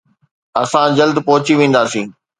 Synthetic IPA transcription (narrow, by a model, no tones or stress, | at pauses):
ɐsãd͡ʑɐld̪pɔɦʊt͡ɕiʋẽːn̆d̪aːsĩː